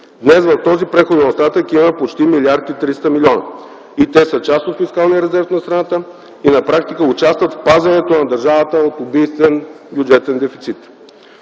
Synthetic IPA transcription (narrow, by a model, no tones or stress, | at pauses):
d̪nɛsvɐft̪ɔzipɾɛxod̪ɛnost̪at̪əkimɐpot͡ʃt̪imilʲiaɾt̪it̪ɾist̪əmiliɔnə̰ | it̪ɛsət͡ʃast̪ot̪fiskalˠniɾɛzɛɾfnɐst̪ɾɐnat̪ə | inɐpɾak̚t̪ikəʊt͡ʃast̪vət̪fpazvɐnɛt̪onɐd̪ɐɾʒavət̪əot̪obijst̪vɛn | bʲjud͡ʒɛt̪ɛnd̪ɛfi̥t̪sit̪